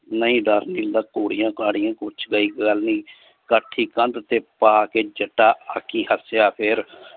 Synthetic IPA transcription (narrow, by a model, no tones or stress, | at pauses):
nəɦĩːɖəɾniːləkːoːɽijãːkaːɽijãːkʊt͡ʃʰɡəiːɡəlniː | kəʈʰːiːkənd̪t̪eːpaːkeːd͡ʒəʈːaːə̰kʰːiːhəsjaːpʰɪɾ